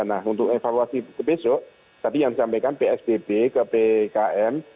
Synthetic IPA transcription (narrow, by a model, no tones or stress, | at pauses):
anahunt̪ʊkefaluasikəbesʊʔ | t̪apijaŋdisampajkanpeɛsbebekəpekaʔɛm